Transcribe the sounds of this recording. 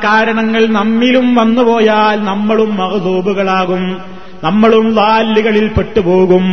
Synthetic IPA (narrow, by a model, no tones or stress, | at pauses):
kaːɾɐɳɐŋːɐɭnɐmːilumʋɐnːupo̞ːjaːlnɐmːɐɭumːɐɣɐd̪uːbuɣɐɭaːɣum | nɐmːɐɭumlaːlːiɣɐɭilpeʈːupoːɣum